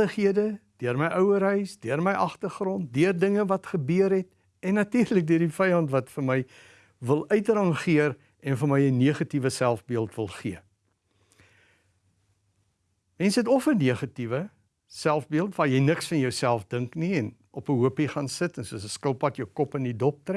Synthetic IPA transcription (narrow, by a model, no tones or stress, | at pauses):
əχiədəd̥øərməjʔœwəɾɦœɥsdøərməjʔɐχtərχrɔnt̚dyərdəŋəvɐtχəbyəɾɦɛt | ɛnːɐtiːrlək̚døərdifɛjɐntvɐtfərmɛj | vəlˠœɥtrɐŋχiər | ɛnfəmɛjəniəχɐtivəsælˠfbiəlˠtvəlˠχiə | mɛnsɦɛtɔfəniəχɐtivə | sælˠfbiəlˠtvɑːjɛjnəksfɐnjœwsælˠfdəŋkniɛn | ʔɔpəɦuəpiχɑːnsətɛnsuəsəskəlˠpɐtjəwkɔpəndidɔp̚trɛ